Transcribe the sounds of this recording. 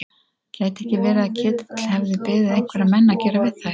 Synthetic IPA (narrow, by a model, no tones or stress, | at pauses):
caːjt̪ɛhcɪvɛːɾɪðacʰɪːt̪ɪ̥t̪l̥hɛvðɪpɪːðɪðejŋ̥kʰvɛɾaðmɛnːacɛːɾavɪðθa